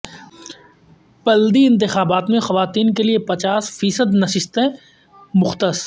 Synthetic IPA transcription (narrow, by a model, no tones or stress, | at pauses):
pɐld̪iɪ̃nt̪ɪxaːbaːt̪mẽxɐʋaːt̪iːnkeliepɐt͡ʃaːsfiːsəd̪nɐʃɪst̪ɛ̃ | mʊxt̪əs